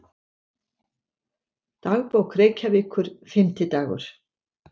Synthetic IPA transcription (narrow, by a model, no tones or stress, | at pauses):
t̪aɣpoːwkreːjcavɪkʰʏɾ̥fɪmt̪ɪt̪aːɣʏ̰ɾ̥